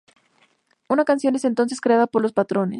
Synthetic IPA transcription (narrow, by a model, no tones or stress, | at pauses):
unakansjo̞ne̞sent̪o̞ns̬eskɾe̞aðapo̞ɾlospat̪ɾo̞ne